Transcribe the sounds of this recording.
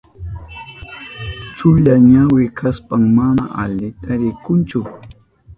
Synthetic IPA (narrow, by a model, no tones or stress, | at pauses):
t͡ʃʊʎaɲawɪkʰaspaŋmana̰ʔaʎɪt̪aɾɪkʊnt͡ʃʊ